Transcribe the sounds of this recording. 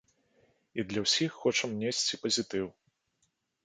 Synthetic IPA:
id̪lʲɐwsʲixːɔt͡ʂɐmnʲesʲt͡sʲipɐzʲit̪ɨw

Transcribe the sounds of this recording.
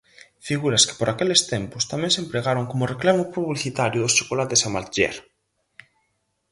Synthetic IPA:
fiɣuɾɐskɪ̥poɾakelest̪ɛmpʊst̪amɛ̃ŋsempɾeɣaɾoŋkomʊreklamʊpuβliθit̪aɾjʊðʊst͡ʃo̥kolat̪esamalt̪ʒɛ̰ɾ

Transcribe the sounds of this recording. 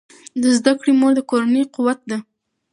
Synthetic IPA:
d̪əzd̪akɽimoɾd̪əkoɾanəjquwat̪̚d̪a

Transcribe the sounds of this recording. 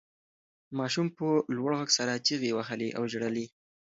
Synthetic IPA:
mɑʃumpəlwaɽɣaɡsaɾat͡ʃiɣewaxəliʔa̰wʒɽəli

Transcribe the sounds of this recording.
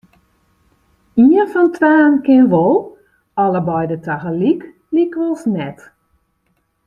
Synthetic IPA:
iənfɔntʰʋaːnkɪnʋolˠ | ɔləbɔjdətʰaɣəlik | likʋɔlˠsnɛt

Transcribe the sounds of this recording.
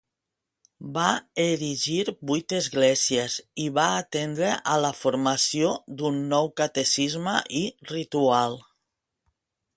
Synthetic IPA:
baeɾiʒiɾbujt̪ezɣlɛsieziβaːt̪end̪ɾeʔaləfuɾmasiod̪unːɔwkat̪esizməʔirit̪ualˠ

